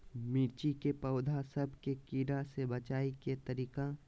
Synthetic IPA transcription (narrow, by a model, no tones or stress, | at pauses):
miːɾt͡ʃikepəʊd̪ʱasəbʱkekiːɾasebət͡ʃaːiket̪əɾiːka